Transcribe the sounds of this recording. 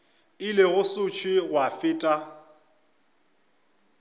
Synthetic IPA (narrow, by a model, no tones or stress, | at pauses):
ɪlɪɣʊsʊt͡ʃʰwɪɣwafɪːtʼa